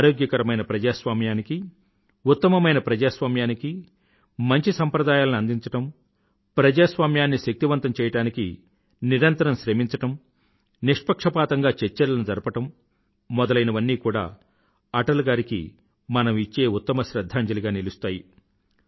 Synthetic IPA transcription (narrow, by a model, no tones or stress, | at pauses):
aːɾoːɡjɐkɐɾɐmɐjnɐpɾɐd͡ʒaːsʋaːmjaːniki | ut̪ːɐmɐmɐjnɐpɾɐd͡ʒaːsʋaːmjaːniki | mɐɲt͡ʃisɐmpɾɐd̪aːjaːlɐniɐnd̪iɲt͡ʃɐʈɐm | pɾɐd͡ʒaːsʋaːmjaːnːiʃek̚t̪iʋɐnt̪ɐmt͡ʃɛːjɐʈaːnikḭ | niɾɐnt̪ɐɾɐmʃɾemiɲt͡ʃɐʈɐm | niʂpɐkʂɐpaːt̪ɐŋɡaːt͡ʃeɾt͡ʃːɐɾlɐnud͡ʒɐɾpɐʈɐmː | ɔd̪ɐlɐjnɐʋɐnːiːkuːɽa̰ː | ɐʈɐluɡaːɾikḭ | mɐnɐmit͡ʃːe̞ːut̪ːɐmɐʃɾɐd̪ʱːaːɲd͡ʒɐliɡaːnilust̪aːji